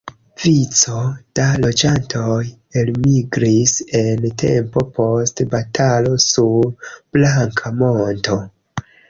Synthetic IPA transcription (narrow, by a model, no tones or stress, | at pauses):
vit͡so̞d̥alo̞d͡ʒantʰo̞j | elmiɡɾise̞ntʰe̞mpo̞po̞stbatʰalo̞suɾb̥laŋkʰamo̞nto̞